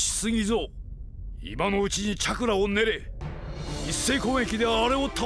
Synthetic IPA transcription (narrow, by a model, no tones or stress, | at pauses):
i̥sɨɡʲizo | ḭmano̞ɯ̟t͡ɕiɲit͡ɕakɯ̟ɾaone̞ɾe̞ | isːe̞ikõːe̞kʲid̪e̞βaːɾe̞ot̪ʰa